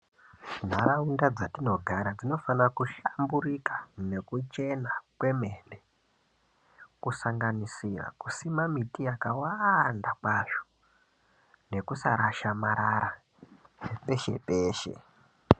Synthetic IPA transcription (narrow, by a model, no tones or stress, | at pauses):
n̤aɾaundad͡zatino̞ɡʱaɾad͡zino̞fanrakuʃamburikḁne̞kut͡ʃe̞nakwe̞me̞ne | kusaŋɡanisira̰kusimamitijakawandakwaʐo̥ | ne̞kusa̰ɾaʃamaɾaɾa | pe̞ʃe̞̰peːʃe̞̰